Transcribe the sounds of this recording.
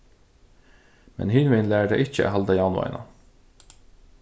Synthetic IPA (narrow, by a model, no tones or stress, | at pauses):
mɛ̰nhɪnʋɪnlæːɖæʔɪçəæ̰ɦɑld̪ɑjɑːnʊɑ̰ɪ̰nɑ̰